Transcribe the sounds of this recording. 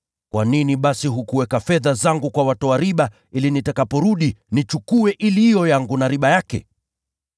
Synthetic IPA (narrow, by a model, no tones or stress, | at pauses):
kwaniniɓasiɦukuwɛkafɛðazaŋɡukwawatɔaɾiɓa | ilinitakapɔɾuɗinit͡ʃukuɛʔiliiɔjaŋɡunaɾiɓajakɛ̰